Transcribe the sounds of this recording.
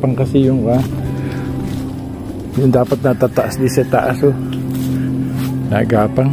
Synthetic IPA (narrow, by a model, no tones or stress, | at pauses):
paŋkɐsɪjʊŋka | jʊŋd̪aːpat̪̚nat̪at̪aʔasd̪isɐt̪aʔaso | na̰ɡaːpaŋ